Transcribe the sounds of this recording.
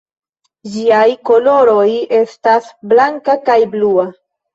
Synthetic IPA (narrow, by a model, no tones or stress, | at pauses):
d͡ʒiajko̞lo̞ɾo̞je̞stasblaŋkakajblua